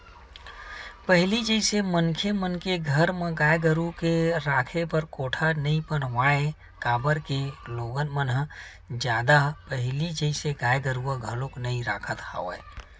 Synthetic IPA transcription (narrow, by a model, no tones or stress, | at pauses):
pəɦlid͡ʒəɪsemənkʰemənkeɡʱəɾmẽɡajɡəɾukeɾaːkʰepəɾkoːʈʰanəĩpəɽ̤ʋae | kabəɾkeloːɡənmənɦ | d͡ʒjaːd̪apəɦlid͡ʒəɪseɡajɡəɾuəɡʱəloknəĩɾaːkʰət̪ha̰ʋə̰